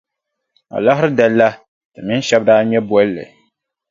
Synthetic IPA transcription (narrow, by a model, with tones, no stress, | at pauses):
a̰˨la˦ɦɪ˦ɾɨ˦dɛ˨lːa˦ | tɨ˨mɪ˦n˦ʃɛ˦b̚daː˦ɲɛ˦bwɔ˦llːɨ̰˨